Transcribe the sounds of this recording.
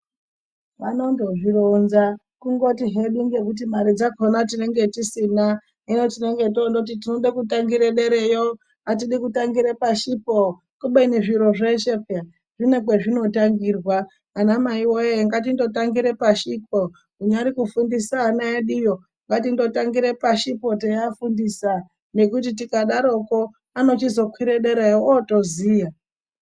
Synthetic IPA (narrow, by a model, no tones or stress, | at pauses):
ʋano̞ndoʐironza | kuŋɡo̞tiɦe̞ɗiŋɡe̞kut̬imaɾid͡zakonatine̞ŋɡe̞tisina | inotine̞ŋɡe̞tondokutitinoɗakutaŋɡiɾeɗeɾejo | atiɗikutaŋɡiɾepaʃipo | kuɓeneʐiɾoʐeʃepja | ʐ̥inekweʐino̞taŋɡiːrwaː | namaiwojeŋɡat̬indo̞taŋɡiɾe̞paʃip̚o | uɲaɾikufundisaːnaeɗijo | ŋɡatindo̞taŋɡiɾepaʃipo̞tejafundisa | ne̞kut̬itikaɗaɾo̞ko̞ | ano̞t͡ʃizo̞kwiɾeɗeɾejootoziːja